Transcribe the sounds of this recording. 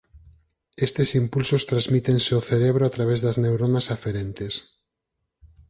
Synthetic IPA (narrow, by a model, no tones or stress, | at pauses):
est̪esimpulsost̪ɾazmit̪enseoθeɾeβɾoat̪ɾaβ̞ezðɐznewɾonasafeɾent̪es